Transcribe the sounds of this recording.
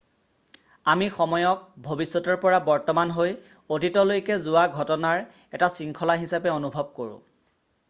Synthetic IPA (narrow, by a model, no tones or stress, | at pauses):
amixɔmɔjɔk̚bʱobisːɔtɔɹpɔɹabɔɹtɔmanɦoj | otitɔlojkɛzʊwaɡʱɔtɔnaɹ | ɛtasiŋkʰɔlaɦisapɛonubʱɔb̚koɹʊ̰̃